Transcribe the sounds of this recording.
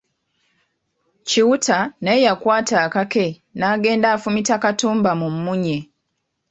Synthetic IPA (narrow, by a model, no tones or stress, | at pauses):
ciwutanejakwaːtaːkake̞ | naːɡe̞ːndaːfumitakatuːmbamumːuɲe